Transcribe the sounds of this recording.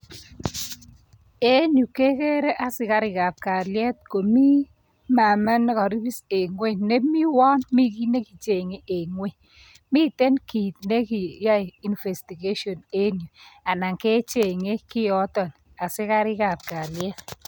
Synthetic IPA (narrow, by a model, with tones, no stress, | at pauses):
e˦nju˨ke˦kɛ˦ɾɛ˦ʔa˨sɪ˦ka˦ɾɪ˨ka˨p̚ka˨ljɛ˦t̚ko˨mi˦ | ma˨ma˦nːɛ˦kɔ˨ɾi˦bi˦se˨ŋwe˦˨ne˦mi˦wɔ˦nmi˦ki˦ne˦ki˨t͡ʃe˨ŋe˦ʔe˨ŋwe˦˨ | mi˦tɛ˦nki˨tne˦ki˨ja˦ji˨nfɛ˨sti˨ɡe˦ʃɔ˨ne˦nju˨a˨na˨ŋkɛ˦t͡ʃe˨ŋe˦kiɪ˦jɔ˦tɔ˨n | a˨sɪ˦ka˦ɾɪ˦ka˨p̚ka˨ljɛ˦t̚